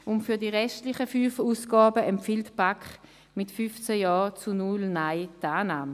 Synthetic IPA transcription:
ʔʊntfyɐdiːʁɛʃtlɪχəfyːfuːsɡ̥aːbəʔɛmpfiltpakχ | mɪtfyft͡sɛjɑːt͡sunulnaɪdaːnaːm

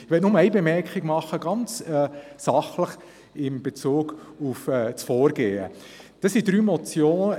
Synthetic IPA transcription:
ɪʋɛltnʊməæɪbemɛɾkχɪɡmɑχəɡɑnt͡sɛːsɑχləχ | ɪmb̥et͡suːɡ̥ | ʊfɛt͡sfɔːɾɡeːə̰ | d̥ɑsidɾyːmɔt͡sjoːn

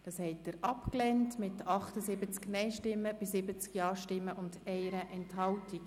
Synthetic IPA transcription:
d̥ɑshɛɪt̚dəɾʔɑpklɛntmɪtɑχtəzɪbət͡sknɛɪʃtɪmːəb̥ɪsɪbət͡skjɑːʃtɪmːəʔʊndɛɪɾəʔɛnthɑltiɡ

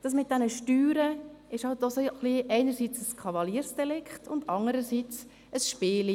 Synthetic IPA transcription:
d̥ɑs̬mɪt̚d̥ɛnəʃtyːɾəɪʃhɑlt̚ːɔsoχliʔɛɪnəɾsiːt͡səskʰɑvɑliəɾsd̥ɛlɪkχtʰʊndɑndəɾəɾsiːt͡s | əsʃpɪːli

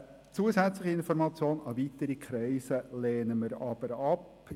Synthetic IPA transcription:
t͡suəsæt͡slɪχiɪnfɔɾmɑt͡sjoːnɑvit̪əɾikχɾɛɪsəleːnəməɾɑb̥əɾɑp

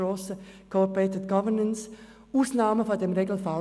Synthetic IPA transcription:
oːsəkʰopeɪtɪdɡ̥ɑvənəns | uːsnaːməfodemʁeːɡl̩fal

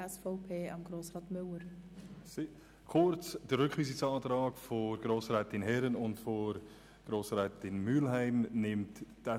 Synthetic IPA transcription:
ɛsfɔʊpʰeːɑmɡ̥ɾoːsʁɑːtmʏləɾs | kʰʊɾt͡sd̥əɾʏkχʋiːsɪsɑːtɾɑːɡfɔɡ̥ɾoːsɾɛːtɪnɦɛɾənʊntfɔɾ | ɡ̥ɾoːsɾɛːtɪnmylɦæɪmnɪmttɛ

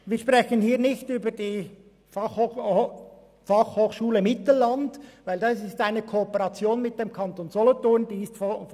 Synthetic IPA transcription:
viːʃpʁɛçənhiːʁnɪçtyːbəd̥iː | f | fɑχhoːxʃuːləmɪtl̩lɑndvaɪldɑsɪstaɪnəkʰoːpəʁɑt͡sjoːnmɪt̚d̥emkʰɑntoːnzolotʊnd̥iːɪstf

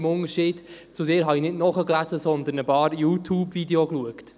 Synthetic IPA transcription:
mʊnəɾʃiːd̥ | t͡sʊdɪːɾɦɑinɪdnɔχəklæzəsɔnd̪ənəpɑːɾjuːt̪ʰjuːbvideokluəkt̪

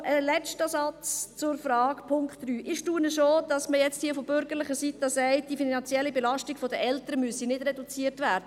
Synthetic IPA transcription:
ʔəlɛt͡ʃtəsɑt͡st͡sʊɾfɾɑːkpʰʊŋkχtryːʔɪʃtuːənəʃod̥ɑsməjɛt͡sthiːəfobʏɾɡəɾlɪχəsitɑsɛɪt̚d̥ifinɑnt͡siɛlːibɛlɑʃtiɡfɔdəʔɛltəɾəmyəsinɪd̥ɾɛdut͡siərtvæːɾdə

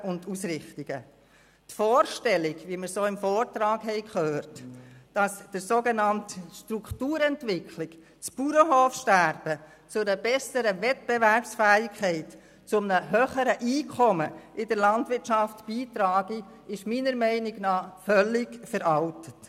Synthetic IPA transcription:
ʊndusɾɪχtiɡ̥ə | tfɔːɾʃtɛlɪɡʋiməɾsoːɪmfɔːrtɾɑːkhɛɪkχøːrtd̥ɑsd̥əɾsoːɡenɑntəʃtɾuktuːɾɛntvɪkʰlɪk | t͡sb̥uɾəɦoːfʃtæɾb̥ə | t͡sʊɾəbɛsəɾəvɛt̚b̥evæɾpsfæːɪkχɛɪt | t͡sʊmnəɦøːχəɾəʔiːkʰɔməʔɪdəɾlɑndʋɪɾtʃɑftb̥iːtɾɑːɡi | ɪʃmiːnəɾmɛɪnɪɡnɑːfœlɪɡfəɾɑltə̥t

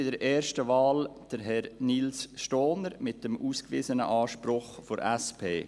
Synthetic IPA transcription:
ɪdəɾʔɛːɾʃtəvɑːld̥əɾɦɛɾnilsʃtoːnəɾmɪt̚dəmʔuːskvḭːzənə̰ʔɑːʃpɾʊχfoɾɛspʰḛː

